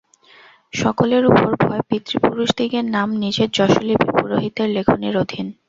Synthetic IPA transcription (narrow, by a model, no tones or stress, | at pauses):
ʃɔkoleɾupoɾbʱɔepit̪ɾipuɾuʃd̪iɡeɾnamnid͡ʑeɾd͡ʑɔʃolibipuɾoɦit̪eɾlekʰoneɾod̪ʱin